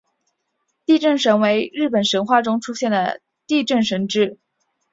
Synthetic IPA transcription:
t̪i˥˧ʈ͡ʂə˥˩nʂə˧˥nwe˧˥ɪɻɻ̩˥˩pə˨˩nʂə˧˥nxwa˥˩ʈ͡ʂʊ˥ŋʈ͡ʂʰu˥ɕjɛ˥˩nd̪ə˩ | t̪i˥˧ʈ͡ʂə˥˩nʂə˧˥nʈ͡ʂɻ̩˥˩

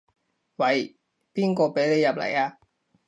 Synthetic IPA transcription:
wɐ˨˧˥j | piː˥˩nkɔː˧pe˨˥jle˨˧jːɐ˨˩p̚lɐ̰˨˩jaː˧

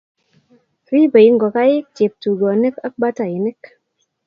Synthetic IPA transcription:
ɾi˦bə˨ji˦ŋɡɔ˨ka˦ji˦k̚t͡ʃe˨p̚tu˨ɡɔ˨ni˦kə˦k̚ba˦ta˨ji˨nɪ˦k

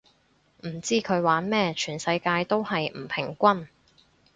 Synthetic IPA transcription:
m̩˨˩t͡siː˥kʰɵ˨˧ɥwaː˨˥nmɛː˥t͡ʃʰyː˨˩nsɐ˧jkaː˧jt̪o˥whɐ˨jm̩˨˩pʰɪ˨˩ŋkʷɐ˥n

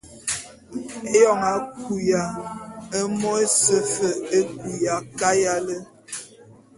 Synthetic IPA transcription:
e˦jɔ˦˨ŋa˨ku˨ja˨ə˦mɔ˦e˦sə˦fə˨e˦ku˨ja˨ka˦ja˦lə˦

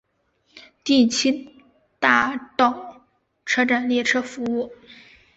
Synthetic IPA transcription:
t̪i˥˩t͡ɕʰi˥n | t̪a˥˩t̪ɑ˥˩ʊ | ʈ͡ʂʰɤ˥ʈ͡ʂa˨˩nljɛ˥˩ʈ͡ʂʰɤ˥fu˧˥u˥˩

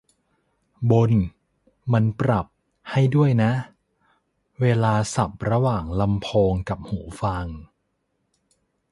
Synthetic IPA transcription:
bo˧n | ma˧npɾa˨˩p̚ | ha˥˩jdu˥˩əjna˦˥ʔ | weː˧laː˧sa˨˩p̚ɾa˧waː˨˩ŋla˧mpʰoː˧ŋka˨˩p̚huː˩˦fa˧ŋ

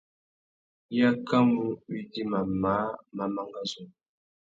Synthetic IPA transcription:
ja˦ka˦mu˦wi˦di˦ma˨ma˨˦ma˨ma˨ŋɡa˦zu˨

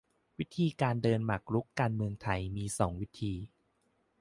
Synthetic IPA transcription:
wi˦˥t̪ʰiː˧kaː˧ndɤː˧nma˨˩k̚ɾu˦˥kːaː˧nmɯ˧əŋt̪ʰa˧jmiː˧sɔː˩˦ŋwi˦˥t̪ʰiː˧

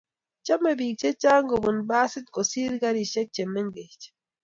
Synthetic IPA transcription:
t͡ʃa˦mːe˨biː˨k̚t͡ʃe˦t͡ʃaː˦ŋ˦ɡo˨bu˨nbaː˦si˦t̪̚ko˨si˦ɾɡa˦ɾi˨ʃe˦k̚t͡ʃe˨mːe˦ŋ˦ɡe˨t͡ʃ

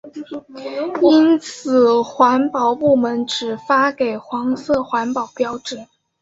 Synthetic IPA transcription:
i˥nt͡sʰɹ̩˨˩xwa˧˥npɑ˨˩ʊpu˥˩mə˧˥nʈ͡ʂɻ̩˨˩fa˥ke˨˩ɪxwɑ˧˥ŋsɤ˥˩xwa˧˥npɑ˨˩ʊpjɑ˥ʊʈ͡ʂ̩˨˩˦

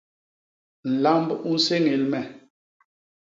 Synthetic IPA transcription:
n̩˨la˦mbu˦n̩˦se˦ŋe˨lmɛ˨

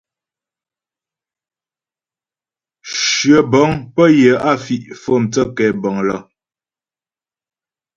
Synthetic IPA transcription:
ʃɥə˨bɔ˨˦ŋpə˦jə˨˦a˦˨fi˨ʔfo˦˨mt͡sə˦kɛ˨bɔ˨ŋlɔ˦˨

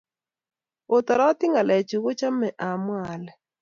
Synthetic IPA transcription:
o˨t̪ɔ˨ɾɔ˦t̪ɪ˦ŋa˨lɛ˨t͡ʃu˨ɣo˦t͡ʃa˦mɛ˨ʔa˨mwa˨lɛ˨

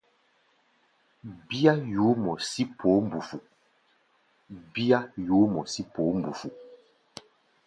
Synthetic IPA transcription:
bi˦a˦juː˨˦mɔ˨si˦pʰo˨˦m̩˨bu˨fu˨ | bi˦a˦juː˨˦mɔ˨si˦poː˨˦m̩˨bu˨fu˨

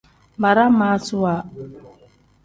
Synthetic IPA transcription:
ba˨ɾa˦ma˦su˦wa˨

